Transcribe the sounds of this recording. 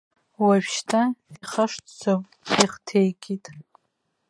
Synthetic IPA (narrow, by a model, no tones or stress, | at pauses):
waɥᶣʃtʰaiχaʂtʰt͡sʰom | iχtʰejkʲʼitʼ